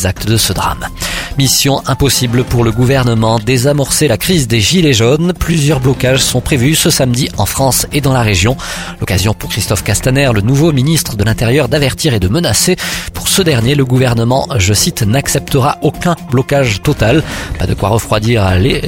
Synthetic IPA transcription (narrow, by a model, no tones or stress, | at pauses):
zak̚t̪əd̪əsəd̪ʁa̰mmisjɔ̃ʔɛ̃pɔsiblpuʁləɡuvɛʁnəmɑ̃d̪ezamɔʁselakχizd̪eʒileʒonplyzjœʁblɔkaʒsɔ̃pχevysəsamd̪iɑ̃fχɑ̃sed̪ɑ̃laʁeʒjɔ̃lɔkazjɔ̃puʁkχist̪ɔfkast̪anɛʁlənuvominist̪χəd̪əlɛ̃t̪eʁjœʁd̪avɛʁt̪iʁed̪əmənasepuʁsəd̪ɛʁnjeləɡuvɛʁnəmɑ̃ʒəsit̪naksɛp̚t̪əʁaʔokɛ̃blɔkaʒt̪ɔt̪alpad̪əkwa̰ʁəfχwad̪iʁle